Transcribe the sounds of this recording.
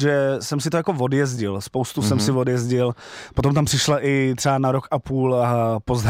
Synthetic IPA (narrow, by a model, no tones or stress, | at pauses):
ʒɛsɛmsɪt̪ojako̞vo̞djɛzɟɪlspowst̪usɛmsɪvodjɛzɟɪlpot̪omt̪ampr̥ɪʃlaʔɪt̪r̥ɛanaɾo̞kʔapuːlpozd̪